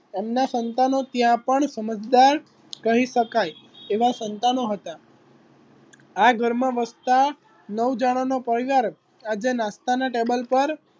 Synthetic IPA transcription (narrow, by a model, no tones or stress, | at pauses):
emnasənt̪anot̪jãpəɳsəməd͡ʒd̪aɾ | kəɦiʃəkajeʋasənt̪anoɦət̪a | aɡʱəɾmãʋəst̪a | nəwd͡ʒaɽ̃onopəɾiʋaɾ | ad͡ʒenãst̪anaʈebəlpəɾ